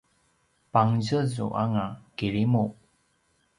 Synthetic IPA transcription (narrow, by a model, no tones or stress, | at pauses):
paŋzəzṵʔa̰ŋakiɾimu